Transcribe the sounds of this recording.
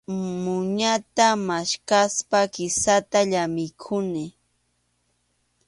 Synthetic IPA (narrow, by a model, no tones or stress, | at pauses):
mʊɲat̪amaʃkaspakɪsat̪aʎamɪkʰʊnɪ